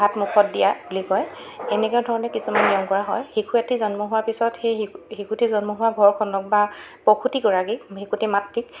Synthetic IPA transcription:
ɦatmukʰɔt̚dijabulikɔjɛnɛkɛʊdʱɔɹɔnɛkisumanːijɔŋkɔɹaɦɔjhikʰujatizɔnmɔɦʊaɹpisɔtxejhikʰutizɔnmɔɦʊwabʱɔɹkʰɔnɔk̚bapɔkʰutikɔɹakikhikʰutimatːik

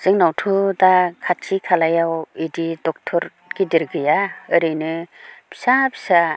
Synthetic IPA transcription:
z̥ɯŋnawtʰudakʰatt͡ʃikʰalajawididɔk̚tʰɔɾ | ɡ̥idiɾɡɯjaɯɾɯjnɯb̥i̥sabʰi̥sa

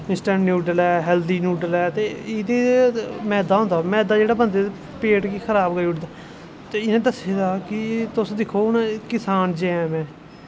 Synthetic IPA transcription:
ɪnsʈɛ̃ːɳʈnjuːɖəlɛːɦɛːld̪iːnjuːɖəlɛːt̪eːɪd̪emɛ̃ːd̪aːɦõːnd̪aːmɛ̃ːd̪aːd͡ʒeːɽaːbənd̪eː | peːʈkiːkʰəɾaːbkəiʊʈd̪aː | t̪eːɪnẽːd̪əseːd̪aːkɪt̪ʊsd̪ɪkʰoːnãkɪsaːnd͡ʒeɛ̃ːmɛ̃ː

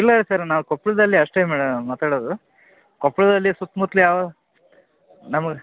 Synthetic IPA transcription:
ilːɐɾesɐɾnaːʋukopːɭud̪ɐlːiɐʂʈeːmaːɽɐmːaːt̪aːɽoːd̪u | kopːɭud̪ɐlːisut̪ːmut̪lijaːʋɐd̪ | nɐmɐɡe

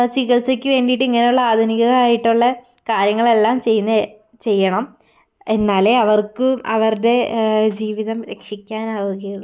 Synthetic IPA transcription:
t͡ɕiɣɐɭsekʲːɨʋe̞ːɳɖijʈːɨiŋːɐne̞juɭːɐaːd̪ʱɐniɣɐɣɐɭaːjiʈːuɭːɐ | kaːɾjɐŋːɐɭe̞lːaːmt͡ɕe̞jːunːɐ | t͡ɕe̞jːɐɳɐm | e̞nːaːleɐʋɐrkɨɐ̰ʋɐrde̞d͡ʑiːʋiðɐmɾe̞kʂikʲːaːnaːʋuɣɐjuɭː

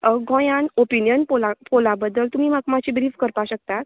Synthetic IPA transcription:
ɡʱɔ̃janopinjənpolapolabəd̪ːəlt̪um̤imakmat͡ɕibɾiːfkəɾpaɕək̚t̪at̪

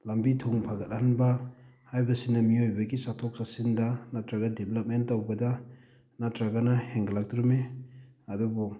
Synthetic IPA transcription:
lɐmbitʰoŋpʰaɡɐt̚hanbɐ | hajbɐsinɐmiojbɐɡisatʰok̚sasindɐnatɾaɡadeblɐp̚mentːawbɐdɐ | natɾaɡanɐheŋɡɐlak̚tɾume | ɐdubɔ

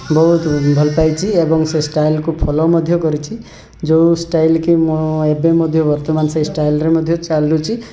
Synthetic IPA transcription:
bɔɦut̪bʱɔlpajt͡ʃʰiebɔŋsesʈajlkupʰɔlɔmɔd̪ʱjɔkɔɾit͡ʃʰi | d͡ʒowsʈajlkimɔebemɔd̪ʱjɔbɔɾt̪ɔmansejsʈajlɾemɔd̪ʱjɔt͡ʃalɾut͡ʃʰi

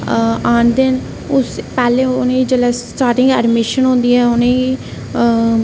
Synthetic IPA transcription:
aːnd̪ɪn | ʊspɛːlẽːʊnẽːiːd͡ʒəlɛːsʈaːɾʈɪ̃ŋɡɛːɾmɪʃənɦʊ̃ːnd̪iːɛːʊnẽːi

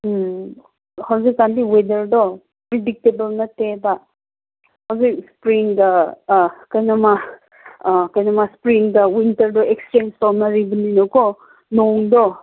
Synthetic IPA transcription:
hawzikːandiwedɐɾdɔ | pɾidik̚tebɐlnɐteba | hɐwzik̚spɾiŋda | kɐjnɐma | kajnɐmaspɾiŋdɐwintɐɾdɔekst͡ʃenstamnɐɾibəninɐko | noŋdɔ

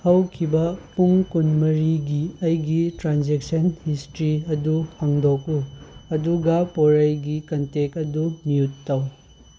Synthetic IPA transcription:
hɐwkʰibɐpuŋkunmɐɾiɡiɐjɡitɾand͡ʒeksɐnhistɾiɐduhɐŋdokuɐduɡapoɾɐjɡikɐntekɐdumiutːaw

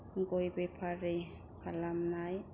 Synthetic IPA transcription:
ŋɡojbepʰaɾe | kʰalamnaj

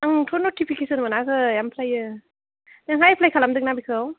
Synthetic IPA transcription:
aŋtʰonotipʰikesɯnmanakɯjampʰlajɯ | naŋɦajpʰlajkʰalamd̪ɯk̚nabikʰɯw

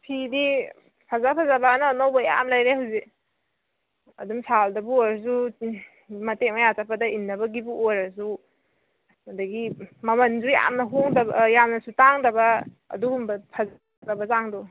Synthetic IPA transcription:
pʰidi | pʰazapʰazabaːnanawbaja̰mlajɾehuwze | ɐ̰dumsaldɐbuojɾs̬u | mɐtemajatapʰadɐinːɐbɐɡibuʔojɾas̬u | adɐɡimɐmɐnzuja̰mnɐɦoŋdɐbjamnɐsutaŋdɐbɐ̰ː | duɡumbɐpʰaza | abɐzaŋdɔ

